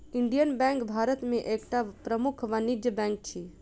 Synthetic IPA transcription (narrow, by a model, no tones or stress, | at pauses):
iɳɖijənbɛ̃ŋkbʱaɾət̪mẽʔekʈapɾəmukʰʋənid͡ʒjəbɛ̃ŋk̚t͡ʃʰi